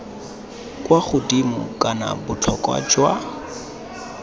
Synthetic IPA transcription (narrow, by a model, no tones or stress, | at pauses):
kʼwaχʊdimʊ̰kʼana̰bʊt͡ɬʰɔkʼwa̰d͡ʒwa